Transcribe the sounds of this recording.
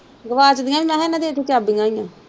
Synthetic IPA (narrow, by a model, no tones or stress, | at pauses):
ɡəʋaːt͡ʃəd̪ijãːbiːmɛ̃ːɦɛnãːd̪eːt̪ʰːeːt͡ʃaːbĩŋɡaːĩjãː